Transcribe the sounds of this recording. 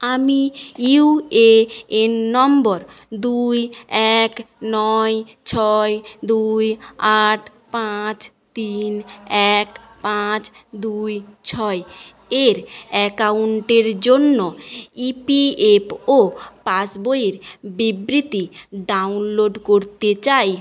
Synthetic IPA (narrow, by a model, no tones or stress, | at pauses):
amiiueenːɔmbɔɾd̪ujɛknɔj | t͡ɕʰɔed̪ujaʈʰ | pat͡ɕ | t̪inɛk | pãt͡ɕd̪ujt͡ɕʰɔe | eɾɛkauɳʈeɾd͡ʑonːoipiepopasbojeɾbibɾit̪iɖawnloɖkoɾt̪et͡ɕaj